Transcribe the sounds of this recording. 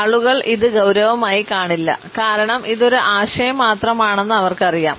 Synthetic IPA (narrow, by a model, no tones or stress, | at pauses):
ɐɭuɣɐɭʔiðɨɡɐwɾɐʋɐmaːjikaːɳilːɐ̰kaːɾɐɳɐmʔiðo̞ɾuʔaːɕɐjɐmːaːt̪rɐmaːɳe̞nːɨɐʋɐrkɨɐrija̰ːm